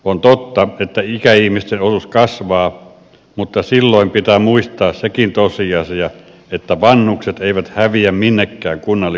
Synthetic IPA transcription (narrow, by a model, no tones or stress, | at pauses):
ont̪ot̪ːɑet̪ːæikæihmist̪enosuskɑsʋɑː | mut̪ːɑsilːoˑimpit̪æmuist̪ˑɑːssekint̪osiɑsiɑ | et̪ːæʋɑnːukset̪eˑiʋæt̪hæʋiæmminːekːæːŋkunːɑlːi